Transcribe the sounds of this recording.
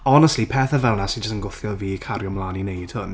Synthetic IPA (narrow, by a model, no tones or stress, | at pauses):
ɔnəstlipʰɛːθəvɛlˠnasid͡ʒəstənɡʊθjɔlˠviːkʰaɾjɔmlˠaːninejd̥hʊn